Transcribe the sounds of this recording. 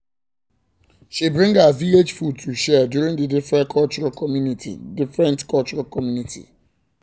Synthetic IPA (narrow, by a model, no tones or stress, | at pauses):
ʃibɹɪ̃ŋɡəviled͡ʒfud̚tʰuʃɛdjuɹĩŋdədɪfɹɛ̃nkʰɔlt͡ʃɔɹalkʰɔmjunitʰḭdɪfɹɛ̃ntkʰɔlt͡ʃɔɹalkʰɔmjunitʰḭ